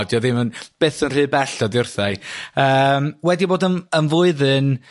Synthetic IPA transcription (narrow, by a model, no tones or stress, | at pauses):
djɔðɪmənb̥eːθənr̥ɨːbɛɬɔdjʊrθajəːmwɛdiboːdənənvʊɨðɨn